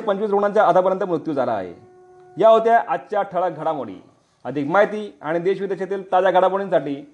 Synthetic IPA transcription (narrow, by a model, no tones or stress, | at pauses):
pəɲt͡ɕʋiːs̬ɾoɽ̃ant͡ɕjaət̪ʰap̬əɾjənt̪əmɾut̪juːd͡zala̰ːɦḛ | jaɦot̪jaʔat̪t͡ɕaʈʰəɭaɡʱəɽamoɽḭː | əd̪ʱikmajt̪iːaɽ̃id̪eɕʋid̪eɕat̪iːlt̪ad͡ʑaɡʱəɽapoɽ̃iːnt͡sʰaʈliː